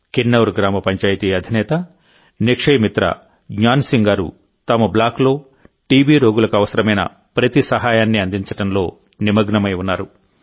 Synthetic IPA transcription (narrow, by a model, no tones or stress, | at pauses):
kinːɐwɾɡɾaːmɐpɐɲt͡ʃaːjt̪iːɐd̪ʱinɛːt̪ɐ | nikʂɐjmit̪ɾɐ̰ | ɡɲaːnsiŋɡaːɾṵ | t̪ɐmɐblaːklo̞ː | ʈiːbiːɾo̞ːɡulɐkuɐʋɐsɐɾɐmɐjnɐ̰ | pɾɐt̪isɐɦaːjaːnːiɐnd̪iɲt͡ʃɐʈɐnlo̞ː | nimɐɡɳɐmɐjunːaːɾu